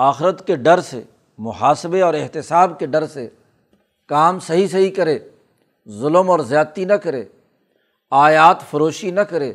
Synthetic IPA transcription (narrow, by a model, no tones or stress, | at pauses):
aːxɪɾət̪keɖɐɾsḛ | mʊɦaːsɪbeɔːɾɪɦt̪ɪsaːbkeɖɐɾse | kaːmsɐɦis̬ɐɦikɐɾeː | zʊləmɔːɾzjaːt̪inɐkɐɾeː | aːjaːt̪fɐɾoːʃinɐkɐɾeː